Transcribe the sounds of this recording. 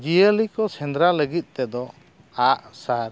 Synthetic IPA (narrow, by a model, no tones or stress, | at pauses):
d͡ʒiəlikɔsɛnd̪ɾaləɡit̪̚ˀt̪ɛd̪ɔ | aʔsaɾ